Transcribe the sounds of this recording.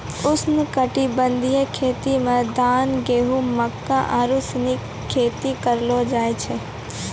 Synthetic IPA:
ʊsnʊkəʈibə̃nd̪ʱijəkʰeːt̪imãd̪aːnɡeːɦũməkːãʔaːɾʊsni | kʰːeːt̪ikəɾlod͡ʒaːet͡ʃʰeː

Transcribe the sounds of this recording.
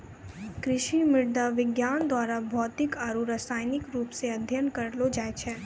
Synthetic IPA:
kɾɪʃimɪɽd̪aʋɪɡjand̪ʋaɾabʱɔt̪ikaɾuɾəsajnikɾupseəd̪ʱjənkəɾlod͡ʒajt͡ʃʰe

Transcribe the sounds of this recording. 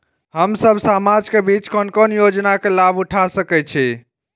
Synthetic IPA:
ɦəmsəbʱsamad͡ʒkebit͡ʃkənkənjod͡ʒnakelabuʈʰasəkɛt͡ʃʰi

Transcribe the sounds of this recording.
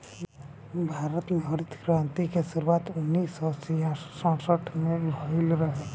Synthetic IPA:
bʱaːɾət̪mẽɦəɾit̪ɡɾãnt̪ikesiɾuaːt̪ʊnːisɔsijãsə̃səʈʰmẽbʱɔilɾəɦe

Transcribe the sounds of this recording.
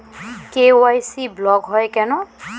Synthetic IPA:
keowajsiblɔɡɦɔjkɛnɔ

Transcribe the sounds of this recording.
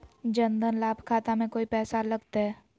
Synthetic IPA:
d͡ʒənd̪ənlaːbʱkʰaːt̪amẽkoːipɛːsaləɡt̪eɦɛː

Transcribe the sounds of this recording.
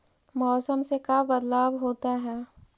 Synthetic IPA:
mɔːsəmsekabɐd̪laːbɦoːt̪aɦɛː

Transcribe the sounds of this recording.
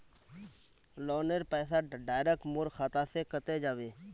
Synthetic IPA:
loːneɾpɛːsaːɖaːjɾeːk̚ʈmʊɾxʰaːt̪aːseːkət̪eːd͡ʒaːʋeː

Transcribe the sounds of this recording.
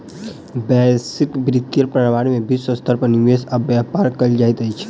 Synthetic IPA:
bɛsɪkbɾɪt̪ːijəɾpɾəɽʋaːɾmẽbisɔst̪əɾpəniʋeːsɐbjaːpaːɾkɐld͡ʒajt̪əit͡ʃʰ

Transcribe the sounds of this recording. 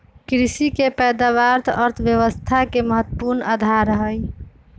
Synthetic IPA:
kɾisikepɛjd̪aʋaɾt̪ʰəɾt̪ʰʋjəʋəst̪ʰakeməɦət̪ːəpuɾnad̪ʱaɾəɦəj

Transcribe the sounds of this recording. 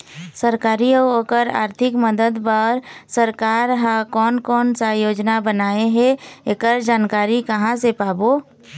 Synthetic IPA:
səɾkaːɾiəoːkəɾa̰ːɾt̪ʰɪkməd̪əd̪pəɾsəɾkaːɾɦãkɔːnkɔːnsajoːd͡ʒnabənaːeɦɛekəɾd͡ʒaːnkaːɾikəɦãsepaːbo

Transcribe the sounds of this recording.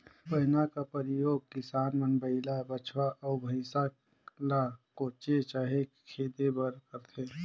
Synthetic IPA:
pɐɦɪnakapəɾɪjoːɡ̚kɪsaːnmənbəɪlabət͡ʃʰwaʔɔːbʱəɪsa | lakot͡ʃet͡ʃaːɦe | kʰeːd̪ebəɾkəɾt̪ʰe

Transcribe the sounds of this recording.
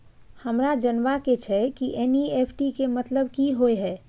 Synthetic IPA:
həmɾad͡ʒənʋaket͡ʃʰɛkiʔɛnieːpʰʈikemət̪ləbkiɦoeɦɛː

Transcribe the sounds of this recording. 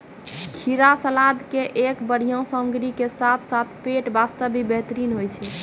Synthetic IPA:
kʰiɾasəlad̪keʔekbəɽ̤ijə̃səmɡɾikesat̪ʰsat̪ʰpeʈbast̪əbibeɦt̪əɾinɦojt͡ʃʰɛ

